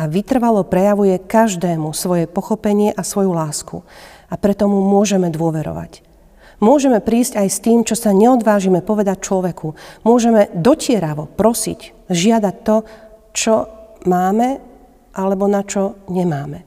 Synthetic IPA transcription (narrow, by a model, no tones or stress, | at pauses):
aʋit̪r̩ʋalɔpɾɛjaʋujɛkaʒd̪ɛːmusʋɔjɛpɔxɔpɛɲɪɛʔasʋɔjulaːskṵ | apɾɛt̪ɔmumʊɔʒɛmɛd̪ʊɔʋɛɾɔ̰ʋa̰c | mʊɔʒɛmɛpɾiːszcajst̪iːmt͡ʃɔsaɲɛɔd̪ʋaːʒimɛpɔʋɛd̪ac̚t͡ʃlɔʋɛkʰumʊɔʒɛmɛd̪ɔcɪɛɾaʋɔpɾɔsḭc | ʒɪad̪ac̚t̪ɔt͡ʃɔmaːmɛ | ʔalɛbɔnat͡ʃɔɲɛmaːmɛ